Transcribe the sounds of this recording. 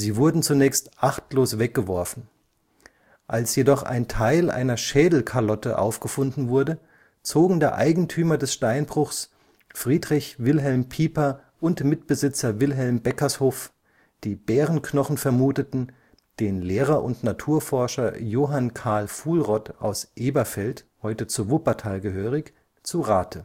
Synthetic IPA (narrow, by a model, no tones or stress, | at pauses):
ziːvʊɐdn̩t͡sunɛːçstʔaχtloːsv̥ɛk̚ɡ̥əvɔɐfn̩ | ʔalsjedɔχʔa̰ɪntʰaɪlʔa̰ɪnɐʃɛːdl̩kʰaɐlɔtəʔa̰ʊfɡ̥əfʊndn̩vʊɐdə | t͡soːɡŋ̩deːɐʔa̰ɪɡŋ̩tʰyːmɐdɛsʃtaɪnbʁʊxs | fʁ̥iːdʁɪçvɪlɦɛlmpʰiːpɐ | ʔʊntmɪtb̥əzɪt͡sɐvɪlɦɛlmbɛkɐshoːf | d̥iːbɛːʁənkʰnɔχn̩fɛɐmuːtətn̩ | d̥eːnleːʁɐʔʊntnatʰuːɐfɔɐʃɐjoːɦankʰaɐlfuːlʁɔtʰʔa̰ʊsʔeːbɐfɛlthɔʏtət͡suvʊpɐtʰaːlɡəɦøːʁɪç | t͡suʁaːtʰə